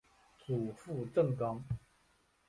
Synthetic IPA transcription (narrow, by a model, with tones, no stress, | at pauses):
t͡sʰu˨˩fu˥˧ʈ͡ʂə˥˨˩ŋkɑ˥˦ŋ